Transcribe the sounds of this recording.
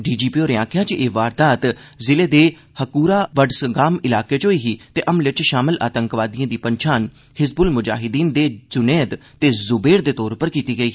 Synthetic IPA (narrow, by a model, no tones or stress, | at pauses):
ɖiːd͡ʒiːpiːoːɾɪãːkʰjãːt͡ʃeːʋaːɾd̪aːt̪zɪleːd̪eː | həkuːɾaːʋəɖsəɡaːmɪlaːkeːt͡ʃoːiːɦiːt̪eːʔəmlɪt͡ʃʃaːmɪlʔa̰ːt̪əŋkʋaːd̪ijãːd̪iːpəɲt͡ʃʰaːn | hɪzbʊlmʊd͡ʒa̰ːɦɪd̪iːnd̪eːd͡ʒʊneːd̪t̪eːzʊbeːɾd̪eːt̪ɔːɾpəɾkiːt̪iːɡəiː